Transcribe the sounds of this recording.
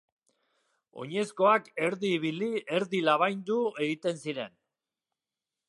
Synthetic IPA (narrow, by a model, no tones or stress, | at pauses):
o̞̰ɲe̞sko̞ake̞ɾðiːβilie̞ɾðilaβ̞ajnd̪ue̞ɣit̪e̞nsiɾe̞n